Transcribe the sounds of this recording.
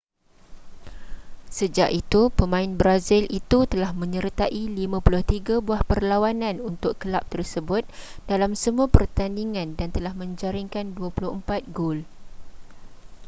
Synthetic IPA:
səd͡ʒaʔit̪upəmãɪnbɾazɪlʔit̪ut̪əlahmə̃ɲəɾit̪aʔilimãpulʊht̪iɡabuahpərlawanãnunt̪ʊkkəlap̚t̪ərsəbʊt̪̚dalamsəmũapərt̪andiŋãndant̪əlahmə̃ɲd͡ʒaɾiŋkanduapulʊhəmpat̪̚ɡol

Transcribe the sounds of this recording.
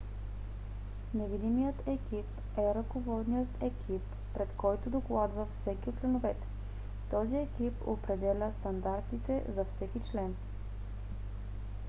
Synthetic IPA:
nɛvid̪imijət̪ɛkip | ɛɾɐkovɔd̪nijət̪ɛkʰipːɾɛt̪kɔjt̪od̪oklˠad̪vəfsɛkiot͡ʃlɛnovɛt̪ɛ̥ | t̪ɔziɛkipopɾɛd̪ɛlʲəst̪ɐnd̪aɾt̪it̪ɛzɐfsɛkit͡ʃlɛn

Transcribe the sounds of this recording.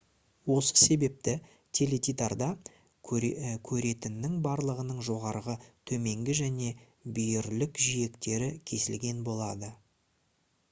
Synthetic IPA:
wo̞sə̥se̞be̞p̚t̪ɪ | t̪ʲʰe̞le̞t̪it̪ard̪ɑ | kʲʰɵɾe̞t̪ɪnːɪŋbɑɾlˠəʁənəɴʒo̞ʁɑɾʁət̪ʰɵme̞ŋɡʲɪʒæne̞ | bijɪɾlɪkʒije̞kt̪e̞ɾɪkʲʰe̞sɪlɡʲe̞nbo̞lˠɑd̪ə

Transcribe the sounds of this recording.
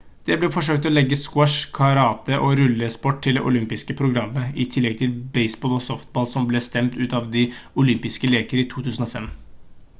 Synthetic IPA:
d̪̥ɛblɛfɔʂøːk̚t̪ɔlɛɡːəskwɔʂkʰɑɾɑːt̪əʔɔɾʉlːəspɔʈ̚t̪ʰːɪld̪ɛʔʊlʏmpɪskəpʰɾʊɡɾɑmːəɪt̪ʰɪlːɛɡ̚t̪ʰɪlbɛɪsbɔːlɔsɔft̪̚bɑːlsɔmblɛst̪ɛmt̪ʉːt̪ɑʋd̪ɪʊlʏmpɪskəleːkəɾəiːt̪ʰuːt̪ʰʉːsən̩ɔfɛm

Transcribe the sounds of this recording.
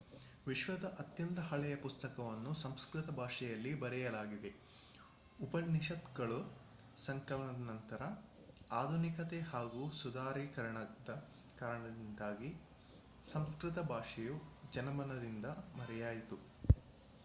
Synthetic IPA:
ʋiʃʋɐd̪ɐʔɐt̪jɐnt̪ɐɦɐɭɛjɐpust̪ɐkɐʋɐnːusɐmskɾit̪ɐbʱaːʂɛjɐlːibɐɾɛjɐlaːɡid̪e̞ | upɐnːiʃɐt̪ɡɐɭu | sɐŋkɐlɳɐd̪ɐnɐnt̪ɐɾɐ | aːd̪ʱunikɐt̪ehaːɡuːsud̪ʱaːɾikɐɾɐɳɐd̪ɐ | kaːɾɐɳɐd̪ind̪aːɡi | sɐmskɾɪt̪ɐbʱaːʂɛjud͡ʒɐnɐmɐnɐd̪ind̪ɐmɐɾɛjaːjit̪u

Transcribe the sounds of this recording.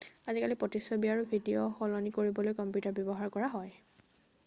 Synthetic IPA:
azikalipɹɔtisɔbiaɹubʱidioxɔlɔnikoɹibɔlojkɔmpjutaɹbjɔbɔɦaɹkɔɹaɦɔj

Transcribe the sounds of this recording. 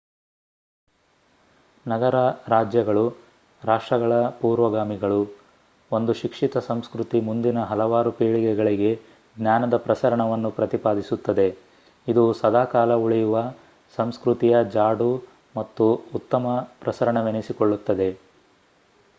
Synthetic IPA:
nɐɡɐɾɐɾaːd͡ʒjɐɡɐɭu | ɾaːʂʈɾɐɡɐɭɐpuːɾʋɐɡaːmiɡɐɭu | o̞nd̪uʃikʂit̪ɐsɐmskɾut̪imund̪inɐɦɐlɐʋaːɾupeːɭiɡɛɡɐɭiɡe̞ | ɡnʲjaːnɐd̪ɐpɾɐsɐɾɐɳɐʋɐnːupɾɐt̪ipaːd̪isut̪ːɐd̪e̞ | id̪usɐd̪ʱaːkaːlɐuɭijuʋɐ | sɐmskɾut̪ijɐd͡ʒaːɽu | mɐt̪ːuːt̪ːɐmɐpɾɐsɐɾɐɳɐʋenisiko̞ɭːut̪ːɐd̪e̞

